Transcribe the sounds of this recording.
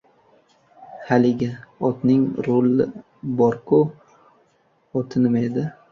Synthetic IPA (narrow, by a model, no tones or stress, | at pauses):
halɪɡʲaɒt̪nɪŋɾolːɪ | bɒɾkʰʊ | ɒt̪ʰɪnɪmaed̪ɪ